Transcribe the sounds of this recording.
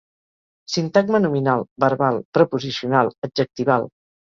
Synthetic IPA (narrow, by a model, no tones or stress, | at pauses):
sint̪aɡmənuminalˠbəɾβalˠpɾəpuzisiunalˠəd͡ʒək̚t̪iβalˠ